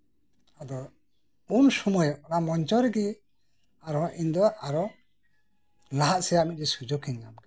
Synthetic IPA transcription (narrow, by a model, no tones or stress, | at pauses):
ad̪ɔ | unsumɔjɔnamɔnt͡ʃɔɾɛɡɛ | aɾɔʔind̪ɔʔaɾɔ | laɦaʔsɛjaʔmit̪̚d͡ʒɛsud͡ʒɔkʰɛɲɡamɡɛ